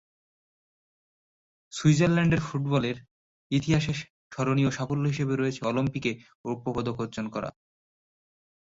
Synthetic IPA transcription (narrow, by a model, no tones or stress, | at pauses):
suid͡ʑaɾlɛɳɖeɾfuʈbɔleɾ | it̪iɦaʃe | ʃɔɾonioʃafolːoɦiʃebeɾoet͡ɕʰeɔlimpike | upːobod̪okoɾd͡ʑonkɔɾa̰